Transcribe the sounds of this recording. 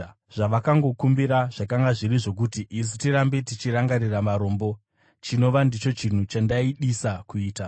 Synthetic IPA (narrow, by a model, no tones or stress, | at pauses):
ʐ̥aʋakaŋɡo̞kumbiɾaʐ̥akaŋɡaʐiɾiʐo̞k̬utiʔis̬itiɾambe̞tit͡ʃiɾaŋɡaɾiramaɾo̞ːmbo̞ | t͡ʃino̞ʋandit͡ʃo̞t͡ʃin̤ut͡ʃandaiɗisakuiːta